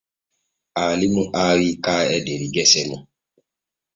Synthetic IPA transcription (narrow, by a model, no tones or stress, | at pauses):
alimũʔaɾikaːɛdeɾiɡɛsɛmũ